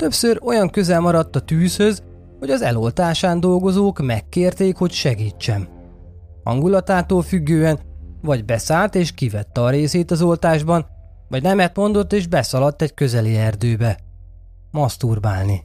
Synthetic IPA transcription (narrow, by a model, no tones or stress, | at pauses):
t̪ø̞psøɾo̞jɒŋkøzɛlmɒɾɒt̪ːɒt̪yːshø̞z | ho̞ɟɒzɛ̰lo̞lt̪aːʃaːnd̪o̞lɡo̞zoːkmɛkːeːrt̪eːkho̞cʃɛɡiːt͡ʃːɛn | hɒ̰ŋɡulɒt̪aːt̪oːlfyɡːøːɛnvɒɟbɛsaːlt̪eːʃkivɛt̪ːɛɒɾeːseːt̪ɒzo̞lt̪aːʒbɒn | vɒɟnɛmɛt̪mo̞nd̪o̞t̪ːeːʒbɛsɒlɒt̪ːɛckø̞zɛliɛrd̪øːbɛ | mɒst̪urba̰ːlni